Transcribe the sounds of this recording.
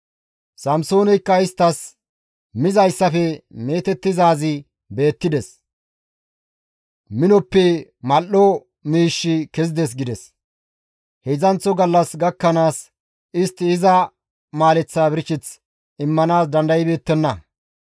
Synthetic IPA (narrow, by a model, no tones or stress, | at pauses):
sɐmso̞ːnɛjkːɐɪst̪ːɐs | mɪzɐjsːɐfɛme̞ːt̪ɛt̪ːɪzaːzɪ | be̞ːt̪ːɪd̪ɛs | mɪnɔpːɛmɐlːɔ | miːʃːɪkɛzɪd̪ɛs̬ɡɪd̪ɛs | hɛzɐnt͡sːɔɡɐlːɐsɡɐkːɐnaːs | ɪst̪ːɪːzɐ | maːlɛt͡sːaːbɪɾɪt͡ʃːɪt͡s | ɪmːɐnaːsd̪ɐnd̪ɐjɪbe̞ːt̪ːɛnːɐ